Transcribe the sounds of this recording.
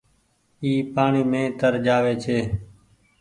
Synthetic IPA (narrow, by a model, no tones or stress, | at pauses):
iːpaːɳiːmẽːt̪əɾd͡ʒaːʋeːt͡ʃʰeː